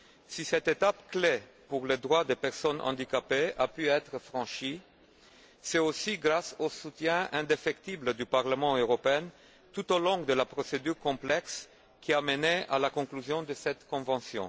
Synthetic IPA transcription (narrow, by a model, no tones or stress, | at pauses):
sisɛt̪et̪apkle | puʁled̪ʁwad̪epɛʁsɔnɑ̰̃d̪ikapeapyɛt̪χəfʁɑ̃ʃi | sɛosiɡʁasosut̪jɛ̃ʔɛ̃d̪efɛkt̪ibləd̪ypaʁləmɑ̃øʁɔpeɛn | t̪ut̪olɔ̃ɡd̪əlapχɔsed̪yʁkɔ̃plɛks | kʲʰiamənɛa̰lakɔ̃klyzjɔ̃d̪əsɛt̪kɔ̃vɑ̃sjɔ̰̃